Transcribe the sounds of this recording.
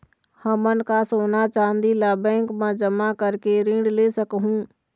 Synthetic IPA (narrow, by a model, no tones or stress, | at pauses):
həmənkasoːnat͡ʃãːənd̪ilaːbɛ̃ːŋkmãd͡ʒəmakəɾkeɾĩːɳɖlesəkɦũː